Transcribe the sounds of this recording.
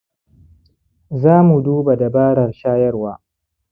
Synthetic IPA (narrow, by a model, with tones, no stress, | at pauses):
zaː˦mu˨duː˦ba˨da˨baː˦ɽɐ˨rʃaː˦jɐ˦rwaː˦